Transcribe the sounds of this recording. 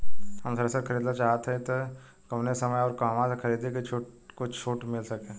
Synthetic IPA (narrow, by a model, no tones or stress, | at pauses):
hɐmsɐɾɛsakʰəɾiːd̪nat͡ʃaːɦt̪ʰɦɛ̃t̪o | kɐpnesɐməjɔːɾkaːmãsekʰɐɾiːd̪eket͡ʃʰːkʊt͡ʃʰoːʈmɪlsɐkẽː